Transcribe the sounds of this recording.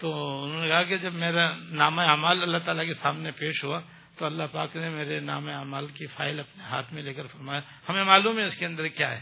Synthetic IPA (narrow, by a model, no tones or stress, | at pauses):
t̪oːʊnɦõːnekɐɦaked͡ʒɐbmeːɾanaːmaaːmaːlɐlːaɦt̪aːlakesaːmnepeːʃɦua | t̪oɐlːaɦpaːknemeːɾena̰ːmeaːmaːlkifa̰ːɪlɐpneɦa̰ːt̪ʰmẽleːkəɾfɐɾmaːja | hɐmẽmaːluːmɦɛɪskeɐ̃nd̪əɾkjaːɦɛ̰ː